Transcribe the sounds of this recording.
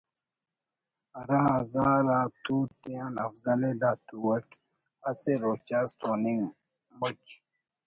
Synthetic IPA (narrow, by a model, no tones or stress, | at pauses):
ɐɾaɦɐzaːɾaːt̪uːt̪eanɐfzɐled̪aːt̪uɐʈʰ | ɐseɾoːt͡ɕast̪oːniŋ | mot͡ɕ